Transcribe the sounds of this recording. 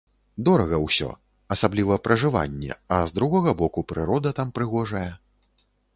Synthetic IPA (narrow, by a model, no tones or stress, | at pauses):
d̪ɔɾɐɣɐwsʲɔ̰ | ɐsablʲivɐpɾʔɐʐɨva̰nʲːɛ̰ɐzd̪ɾuɣɔɣɐbɔkupɾɨɾɔd̪ɐt̪ampɾɨɣɔʐɐjɛ